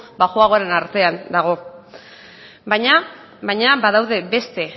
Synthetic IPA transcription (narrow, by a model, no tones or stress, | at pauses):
baxoaɣoaɾe̞naɾt̪e̞and̪aɣ̞o̞ | bajɲa | bajɲabaðawðe̞be̞st̪e̞